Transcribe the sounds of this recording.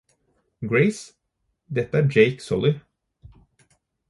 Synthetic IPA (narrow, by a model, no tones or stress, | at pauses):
ɡɹeɪs | d̪ɛt̪ːəæːɾd͡ʒeɪksɔlɪ